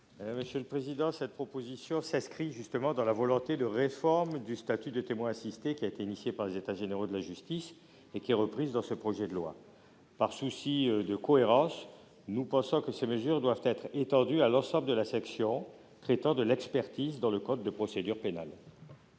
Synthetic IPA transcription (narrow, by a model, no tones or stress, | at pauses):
məsjələpχezid̪ɑ̃sɛt̪̚pχɔpozisjɔ̃sɛ̃skχiʒyst̪əmɑ̃d̪ɑ̃lavɔlɔ̃t̪ed̪əʁefɔʁmd̪yst̪at̪yd̪ət̪emwɛ̃asist̪ekʲiaet̪einisjepaʁlezet̪aʒeneʁod̪əlaʒyst̪is | ekʲiɛʁəpχizd̪ɑ̃səpχɔʒɛd̪əlwa̰ | paʁsusid̪əkɔeʁɑ̃s | nupɑ̃sɔ̃kəseməzyʁd̪wavt̪ɛt̪χet̪ɑ̃d̪yalɑ̃sɑ̃bləd̪əlasɛksjɔ̃ | t̪χɛt̪ɑ̃d̪əlɛkspɛʁt̪izd̪ɑ̃ləkɔ̃t̪̚ːəpχɔsed̪yʁpena̰l